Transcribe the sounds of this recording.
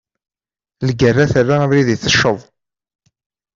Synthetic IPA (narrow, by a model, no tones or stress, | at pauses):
lɡərːaθərːaəvliðiθəʃːəðˤ